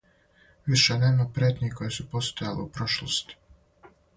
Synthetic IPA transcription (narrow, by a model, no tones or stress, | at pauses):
ʋiʃeneːmapɾʲet̪niko̞jesupo̞st̪ojaleupɾoʃlˠost̪i̥